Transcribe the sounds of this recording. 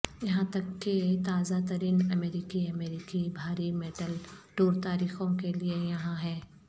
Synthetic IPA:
jɐɦãt̪ɐkːet̪aːzat̪əɾiːnɐmeːɾiːkiɐmeːɾikibʱaːɾimeːʈəlʈoːɾt̪aːɾiːxõkeliejɐɦãɦɛː

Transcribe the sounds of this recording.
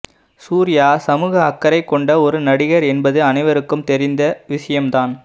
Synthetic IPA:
suːɾɪjaːsɐmuːɣɐɐkːɐɾɐɪkːɔɳɖɐɔɾɯnɐɽɪɣɐɾɛnbɐðɯɐnɐɪʋɐɾɯkːɯmt̪ɛɾɪnd̪ɐʋɪʂɐjɐmt̪aːn

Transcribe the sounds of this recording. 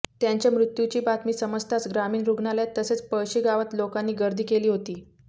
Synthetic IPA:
t̪jaɲt͡ɕjamɾut̪jut͡ɕiːbat̪miːsəməd͡zt̪ʰat͡sɡɾamiːnɾuɡɳaljat̪ːəset͡spəɕiːɡaʋət̪lokanːiːɡəɾd̪ʱiːkeliːɦot̪iː

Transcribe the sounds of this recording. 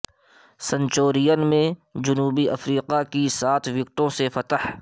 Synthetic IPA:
sə̃ɲt͡ʃoːɾijənmẽd͡ʒʊnuːbiʔɐfɾiːqakisaːt̪ʰʋjʊk̚ʈ̪õsefɐt̪əh

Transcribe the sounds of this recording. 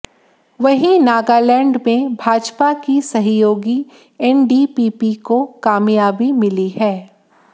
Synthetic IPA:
ʋɐɦĩnaːɡaːlɛ̃ːɳɖmẽbʱaːd͡ʒpakisɐɦjoːɡi | ɛnɖipiːpikokaːmjaːbimɪliɦɛː

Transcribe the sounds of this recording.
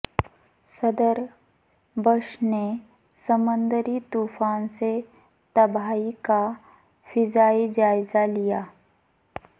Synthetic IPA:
sɐd̪əɾ | bəʃne | səmə̃nd̪əɾit̪uːfaːnse | t̪ɐbaːika | fɪzaːid͡ʒaːɪzalijaː

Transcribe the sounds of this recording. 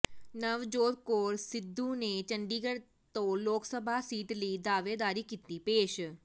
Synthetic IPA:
nəʋd͡ʒoːd̪̚koːɾsɪd̪ʱːunet͡ʃə̃ɳɖiːɡəɽ | t̪õloːksəbʱasiːʈliːd̪aːʋed̪aːɾikit̪ipeːʃ

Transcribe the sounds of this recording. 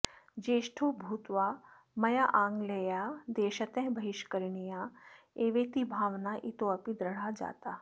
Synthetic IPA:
d͡ʒeːʃʈʰoːbʱuːt̪ʋaː | mɐjaʔãːŋɡleːjad̪eːʃət̪ɛ̃ɦbʱɐɦɪʃkəɾnija | eːʋeːt̪ibʱaːʋnaʔit̪oɐpid̪ɾɐɽ̤ad͡ʒa̰ːt̪aː

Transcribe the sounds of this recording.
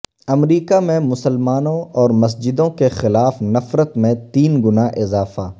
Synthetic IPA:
ɐmɾiːkamẽmʊsəlmaːnõɔːɾmɐs̬d͡ʒɪd̪õkexɪlaːfnɐfɾət̪mẽt̪iːnɡʊnaʔɪzaːfaː

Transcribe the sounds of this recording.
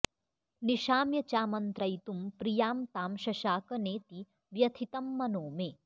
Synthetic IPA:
niʃaːmjɐt͡ʃaːmɐnt̪ɾɐjt̪umpɾijaːmt̪aːmʃɐʃaːkɐneːt̪i | ʋjɐt̪ʰit̪ɐmːɐnoːmeː

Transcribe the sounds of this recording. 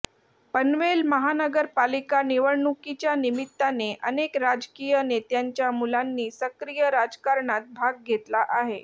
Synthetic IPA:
pənʋelməɦanəɡəɾpalikaniʋəɾɳukit͡ɕjanimit̪ːaneʔənekɾad͡zkijənet̪jaɲt͡ɕjamulanːiːsəkɾijəɾad͡zkaɾɳat̪̚bʱaɡ̚ɡʱet̪laʔaɦe

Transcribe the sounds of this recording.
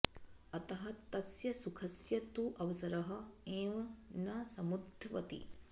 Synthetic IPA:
ɐt̪ɐɦɐt̪ɐsjɐsukʰɐsjɐt̪uʔɐʋɐsɐɾɐɦɐ̆eːʋɐnasɐmud̪ʱɐʋɐ̰t̪ḭ

